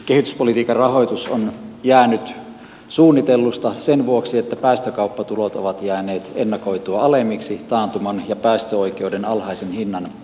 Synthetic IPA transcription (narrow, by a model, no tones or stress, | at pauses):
kehit̪yspolit̪iːkɑrɑhojt̪usonjæːnyt̪ | suːnːit̪elːust̪ɑsenʋuoksiet̪ːæpæˑːst̪økɑˑupːɑt̪ulot̪o̰ʋɑt̪jæːneːt̪enːɑkoit̪uɑɑlemiksit̪ɑːnt̪umɑnjɑpæˑːst̪øoijkeudenɑlhɑisenhinːɑn